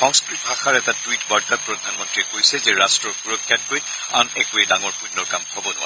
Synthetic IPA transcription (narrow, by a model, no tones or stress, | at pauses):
xɔŋskɹit̚bʱaxaɹɛtatuwitbaɹtapɹɔdʱanmɔntɹiɛkojsɛzɛɹastɹɔɹxuɹɔkʰːjat̚koj | a̰nɛkuɛdaŋɔɹpunːɔɹkamhɔbɔnʊwa̰